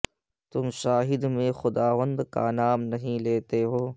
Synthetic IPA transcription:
t̪ʊmʃaːɦɪd̪mẽxʊd̪aːʋə̃nd̪ka̰naːmnɐɦĩleːt̪eɦoː

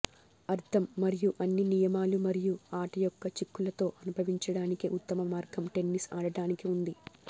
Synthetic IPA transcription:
ɐɾt̪ʰɐmːɐɾijuʔɐnːinijɐmaːlumɐɾijuaːʈɐjɔkːɐt͡ʃikːulɐt̪o̞ːʔɐnubʱɐʋiɲt͡ʃɐɽaːnikiʔut̪ːɐmɐmaːɾɡɐmʈe̞nːisaːɽɐɽaːnikiund̪i

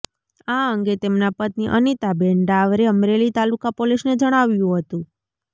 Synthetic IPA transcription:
aəŋɡet̪emnapət̪niʔənit̪abeɳɖaʋɾeəmɾelit̪alukapoliʃned͡ʒəɽ̃aʋjũɦət̪ũ

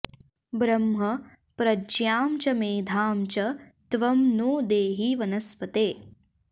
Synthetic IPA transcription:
bɾɐmɦɐ | pɾɐd͡ʒjaːmt͡ʃɐmeːd̪ʱaːmt͡ʃɐt̪ʋɐmnoːd̪eːɦiʋɐnɐspɐt̪eː

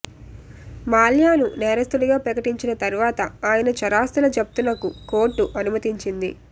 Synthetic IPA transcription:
maːljaːnunɛːɾɐst̪uliɡaːpɾɐkɐʈiɲt͡ʃinɐt̪ɐɾuʋaːt̪ɐaːjɐnɐt͡ʃɐɾaːst̪ulɐt͡ʃɐp̚t̪unɐkuko̞ːɾʈːuʔɐnumɐt̪iɲt͡ʃind̪ḭ

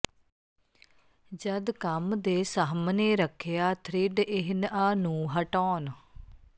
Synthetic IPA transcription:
d͡ʒəd̪kəmd̪eːsəɦmneːɾəkʰːejaːt̪ʰɾɪɖɪɦɪnəːnũːɦəʈɔːn

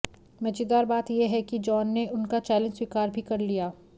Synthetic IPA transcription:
mɐt͡ʃid̪aːɾbaːt̪jeɦɛkid͡ʒɔːnːeʔʊnkat͡ʃɛːlə̃nd͡ʒswikaːɾbʱikɐɾlijaː

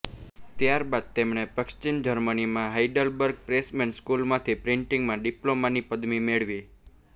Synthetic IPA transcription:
t̪jaɾbad̪̚t̪emɳ̃epəkʃt͡ʃind͡ʒəɾmənimãɦaiɖəlbəɾɡ̚pɾesmenskulmãt̪ʰipɾɪɳʈɪ̃ŋɡmãɖiplomanipəd̪mimeɭʋi

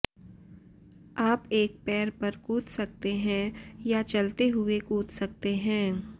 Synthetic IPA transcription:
aːpeːk̚pɛːɾpɐɾkuːt̪sɐk̚t̪eɦɛ̃jat͡ʃɐlt̪eɦʊekuːt̪sɐk̚t̪eɦɛ̃ː

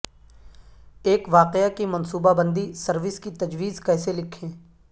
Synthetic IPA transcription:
eːkʋaːqeakimɐnsuːbabə̃nd̪isɐɾʋɪskit̪ɐd͡ʒʋiːzkɛːselɪkʰẽː

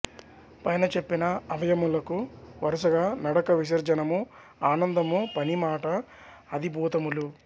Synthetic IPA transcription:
pɐjnɐt͡ʃe̞pːinɐɐʋɐjɐmulɐkuʋɐɾɐsɐɡaːnɐɽɐkɐʋiʃ̬ɐɾd͡ʒɐnɐmu | aːnɐnd̪ɐmupɐnimaːʈɐː | d̪ibʱuːt̪ɐmulu

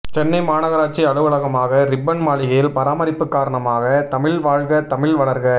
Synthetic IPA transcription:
t͡ʃɛnːɐɪmaːnɐɣɐɾaːʈ̚t͡ʃiɐɻɯʋɐɭɐɣɐmaːɣɐɾɪbːɐnmaːɭɪɣɐjɪlpɐɾaːmɐɾɪpːɯkːaːɾɐɳɐmaːɣɐt̪ɐmɪɭʋaːɻɣɐt̪ɐmɪɭʋɐɭɐɾɣɐ

